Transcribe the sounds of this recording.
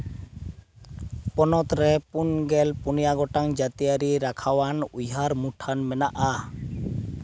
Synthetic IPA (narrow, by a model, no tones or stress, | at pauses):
pɔnɔt̪ɾɛpunɡɛlpunijaɡɔʈaŋd͡ʒat̪ijaɾiɾakʰawanujɦaɾmuʈʰanmɛnaʔa